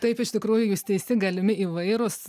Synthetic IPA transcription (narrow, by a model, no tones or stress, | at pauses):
t̪ɐɪpɪʃt̪ʲɪkɾuːjʊjuːst̪ʲɛɪsʲt̪ʲɪɡɐlʲɪmʲɪiːʋɐɪɾʊs